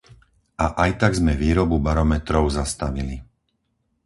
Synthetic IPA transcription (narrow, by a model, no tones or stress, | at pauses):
ʔaʔajt̪aɡzmɛʋiːɾɔbubaɾɔmɛt̪ɾɔʊzast̪aʋili